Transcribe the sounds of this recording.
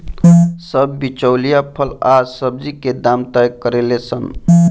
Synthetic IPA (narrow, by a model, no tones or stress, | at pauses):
səbːit͡ʃəwlijapʰəlasəb̚d͡ʒiked̪amt̪əjkːəɾelesən